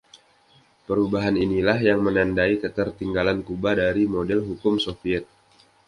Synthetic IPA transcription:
pəɾubaɦaninilahjaŋmənandaikət̪ərt̪iŋɡalankubadaɾimodɛlɦukʊmsofiɛt̪̚

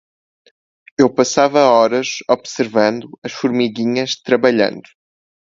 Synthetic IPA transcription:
ewpɐsavɐɔɾɐʃɔβsɨɾvɐ̃nd̪uɐʃfuɾmiɣiɲɐʃt̪ɾɐβɐʎɐ̰̃nd̪u

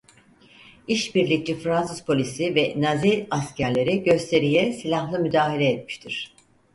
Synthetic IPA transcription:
iʃbiɾlʲic̚t͡ʃifɾansɯzpʰo̞lʲisivɛnaziascʰæɾlʲe̞ɾiɟø̞st̪ʰe̞ɾijɛsilʲaxlˠɯmyd̪aːɦilʲɛːt̪̚miʃt̪ʰiɾ̥

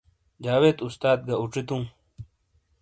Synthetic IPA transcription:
d͡ʑaːweːt̪ust̪aːd̪̚ɡauʈ͡ʂit̪ũː

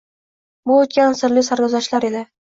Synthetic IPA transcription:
bʊːt̪̚kʲansɪɾlɪsaɾɡʲɒzaʃlaɾe̞d̪ɪ

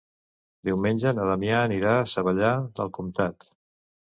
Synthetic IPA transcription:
d̪iwmenʲd͡ʒənəðamjaːniɾaːsəβəʎaðə̰lˠkumt̪at̪

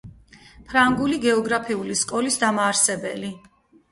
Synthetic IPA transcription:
pʰɾaŋɡuliɡɛɔɡɾapʰiuliskʼɔlisd̪amaːɾsɛbɛ̰li

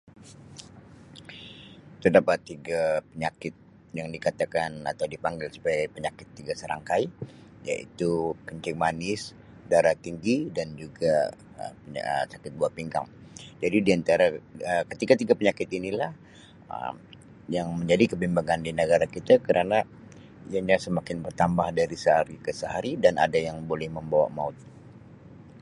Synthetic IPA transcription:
t̪ərdapat̪ːiɡapəɲakɪt̪̚ | jaŋdikat̪akana̰t̪awdipaŋɡɪlsu̥paɡajpəɲakɪt̪ːiɡasəɾa̰ŋkajja̰ʔḭt̪ukəɲt͡ʃɪŋmanɪs | daɾaht̪iŋɡidand͡ʒuɡa | əəə̰sakɪt̪̚buahpiŋɡa̰ŋ | d͡ʒadidiant̪aɾaəkət̪ikat̪iɡapəɲakɪt̪inilah | ə̰m | jaŋməɲd͡ʒadikəbimbaŋandinəɡaɾakit̪akəɾana | ijaɲasəmakɪnbərt̪ambahdaɾisəɦaɾikəsəɦaɾidana̰dajaŋbolɛhməmbawa̰maʊt̪̚

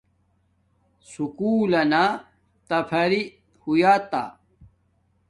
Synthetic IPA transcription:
sukuːlɐna | t̪ɐpʰɐɾi | hujaːt̪a̰

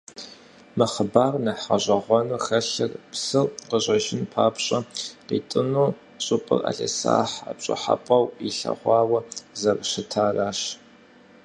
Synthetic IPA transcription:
mɨχəbaːrnɐħaʑʷɐʁʷɔnuxɐɬɐrpsɨrqəʑʷʼɐʒɪnpʰaːpʰɕʼɐqiːtʼɨnuː | ɕʼʊpʼɨ̰rʔa̰ːɬḛsa̰ːħapt͡ʃʼɐħa̰pʼɐwiɬɐ̰ʁʷɑːwɐzɐrɕɪtʰaːraːɕ

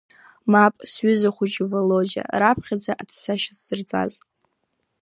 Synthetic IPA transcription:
mapʼsɥʏzaχʷʊd͡ʒivalod͡ʒa̰rapʰχʲad͡zaʔat͡sʰsaʃaz̥ɨrt͡sʼa̰z

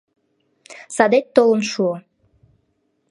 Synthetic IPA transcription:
sɑd̪et̪ːolənʃuo

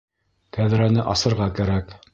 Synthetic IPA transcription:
kæðɾænɘʔɑsɤ̆ɾʁɑkæɾæk

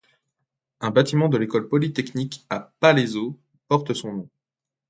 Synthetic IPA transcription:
ɛ̃bat̪imɑ̃d̪əlekɔlpɔlit̪ɛknikapalezo | pɔʁt̪əsɔ̃nɔ̃

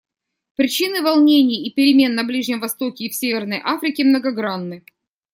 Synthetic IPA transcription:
pɾʲɪt͡ɕinɨvɐlˠnʲenʲɪjipʲɪɾʲɪmʲe̞nːɐblʲiʐnʲɪmvɐst̪o̞kʲɪːfsʲevʲɪrnəjʔafɾʲɪkʲɪmnəɡɐɡɾanːɨ

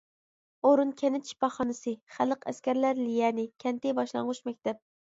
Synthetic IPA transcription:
oɾunkʲʰɛnɪt̪t͡ʃʰi̥pɑχɑnɨsɨχæləqæ̰skʲæɾlæɾlijɛnɪkʲʰɛnt̪ɪbɑʃlˠɑɴʁʊʃmɛkʲt̪ɛp̚

